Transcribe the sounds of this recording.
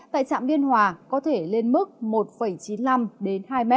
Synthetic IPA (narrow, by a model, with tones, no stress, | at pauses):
t̪a̰ː˧˨jt͡ɕa̰ː˧˨mɓi˧ənhwaː˨˩kɔ˨˦t̪ʰe˧˩le˧nmɨ˦˥k̚mo˨˩t̚fə˧˩jt͡ɕi˨˦nla˧mɗe˨˦nɦaː˧jmɛ˦˥